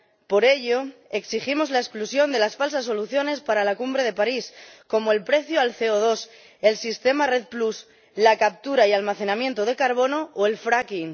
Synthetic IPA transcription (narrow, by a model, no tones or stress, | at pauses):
po̞ɾe̞ʎo̞e̞ksiximo̞zlaesklusjo̞nd̪e̞lasfals̬asːo̞luθjo̞ne̞spaɾalakumbɾe̞ð̞e̞paɾisko̞moe̞lpɾe̞θjoalθeoð̞o̞s | e̞lsist̪e̞mare̞ð̚plus | lakap̚t̪uɾaialmaθe̞nãmjẽ̞nt̪oð̞e̞kaɾβ̞o̞no̞ʔoe̞lfɾakin